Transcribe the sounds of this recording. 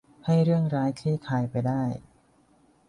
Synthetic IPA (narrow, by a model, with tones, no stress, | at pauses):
ha˥˩jɾɯ˥˩əŋɾaː˦˥jkʰiː˥˩kʰaː˧jpa˧jdaː˥˩j